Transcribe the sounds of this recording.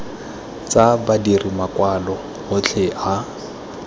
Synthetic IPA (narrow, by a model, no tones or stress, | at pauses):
t͡sabadirimakwalɔ | hʊt͡ɬʰeʔa